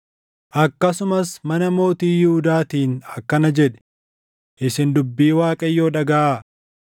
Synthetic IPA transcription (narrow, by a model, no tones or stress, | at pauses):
ʔɐkːɐsʊmɐsmɐnɐmo̞ːt̪iːjɪhʊd̪aːt̪iːnɐkːɐnɐd͡ʒɛᶑɛ̥ | ʔɪsɪnd̪ʊbːiːwaːkʼɐjːoːᶑɐɡɐʔaː